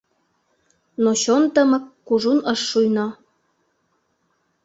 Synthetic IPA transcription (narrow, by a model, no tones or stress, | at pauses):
noɕont̪ə̆mə̆kːuʒunəʃːujnɑ